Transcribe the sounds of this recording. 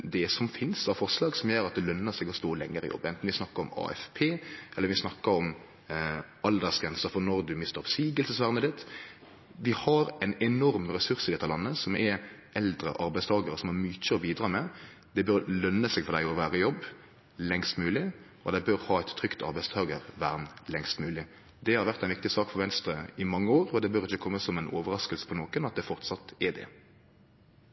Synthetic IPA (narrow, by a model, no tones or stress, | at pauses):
d̪ɛsɔmfɪnsɑfɔɾslɑːɡsɔmjøːɾɑt̪̚d̪ɛlœnːəsɛɡɔst̪oːlɛŋːəɾɪ̰jɔ̰bːɛnt̪n̩ʋɪsnɑkːəɾɔmɑ̰ːɛ̰fpʰeːʔɛlːəɾʋɪsnɑkːəɾɔm | ɑld̪əsɡɾɛnsəɾfɔnɔɾd̪ʉmɪst̪əɾɔsiːɡəlsəsʋæʁnəd̪ɪt̪ | ʋɪhɑɾɛɪnɛnɔɾmɾɛsʉɾsɪd̪ɛt̪ːəlɑnːəsɔmɛ | ʔɛld̪ɾə̰ʔɑɾbæɪst̪ʰɑːɡəɾəsɔmhɑɾmyt͡ʃəɔbiːd̪ɾɑːmɛ | d̪̥ɛbøʁlœnːəsɛːɡfɔɾd̪æɪɔʋæːʁəjɔbː | lɛŋst̪mʉːlɪ | ɔd̪æɪbøɾhɑːæt̪ʰːʁʏkt̪ʰɑ̰ɾbæɪst̪ʰɑːɡəʁʋæːʁnlɛŋst̪mʉːlɪ | d̪ɛhɑɾʋæʁt̪æɛɪnʋɪkt̪ɪsɑːkfɔɾʋɛnst̪ɾəɪmɑŋːəoːɾɔd̪ɛbœɾɪçːəkʰɔmːəsɔmɛno̰ːʋəɾɑskəlsə̥pʰɔnoːkənɑt̪̚d̪ɛfɔʁt̪sɑt̪ːɛd̪ɛ̰